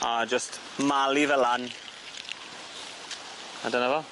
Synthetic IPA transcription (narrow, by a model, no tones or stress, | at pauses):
ad͡ʒəst | malˠivɛlan | a̰dənavɔlˠ